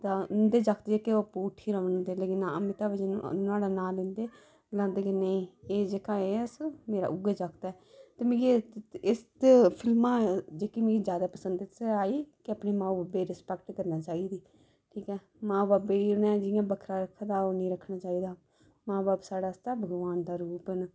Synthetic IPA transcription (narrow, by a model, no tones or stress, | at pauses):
t̪aːɪnd̪eːd͡ʒaːkʰt̪ed͡ʒeːkeoːpuːʈʰiːɾəːnə̃ːd̪eːleːkɪnaəmɪt̪aːbəd͡ʒnʊaːɽaːnaːlɪ̃nd̪eː | ɡlãːnd̪eːkenəĩːeːd͡ʒeːkãːeːsmeːɾa̰ːʔʊɡd͡ʒaːkʰt̪aɛː | t̪eːmẽːɡeɪspʰɪlmãːd͡ʒeːkiːmẽːɡiːzjaːd̪aːpəsənd̪ɪsaːiːkɪəpneːmãːbaːbeːɾɪspɛkʈkəɾnaːt͡ʃaːiːd̪iː | ʈʰiːkɛː | mãːbaːbeːiːʊnɛ̃ːd͡ʒɪjãːbəkʰɾaːɾəkʰːd̪aːoːnĩːɾəkʰnaːt͡ʃaːiːd̪aː | mãːbaːpsaːɽaːst̪aːbʱəɡʋaːnd̪aːɾuːpən